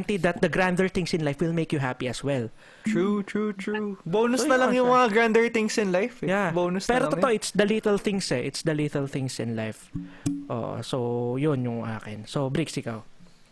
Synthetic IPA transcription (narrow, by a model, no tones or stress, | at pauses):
nt̪id̪ɐt̪̚d̪ɐɡɾand̪ɛɹθɪ̃ŋsɪnlajfwɪlmejkjʊɦapiɐswɛl | t̪ɹut̪ɹut̪ʰɹuboːnʊsnɐlɐŋjʊŋmɐŋaɡɹand̪əɹt̪ɪ̃ŋsɪ̃nlajfjaboːnʊspɛːɾot̪ooʔɪt̪sd̪ɐlit̪ɛlθɪŋsɛʔɪt̪sd̪ɐlit̪ɛlθɪ̃ŋsɪ̰̃nlajfʔo̰ːʔo̰sojonjʊŋʔa̰ːkɪnsobɾiksɪkaw